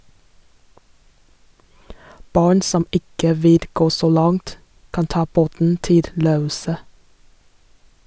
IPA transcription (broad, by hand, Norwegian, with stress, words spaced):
ˈbɑːɳ ˈsɔm ˈɪkə ˈʋɪl ˈɡoː ˈsoː ˈlɑŋt ˈkɑn ˈtɑː ˈboːtn̩ ˈtɪl ˈɾøːˌuːsə